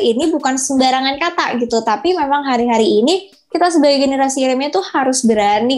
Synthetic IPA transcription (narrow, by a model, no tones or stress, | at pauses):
inibukansəmbaɾaŋankat̪a̰ʔɡit̪ut̪apimemaŋɦaɾiɦaɾiːni | kit̪asəbaɡɛɡenəɾasiɾɪmɲat̪uhaɾʊsbəɾani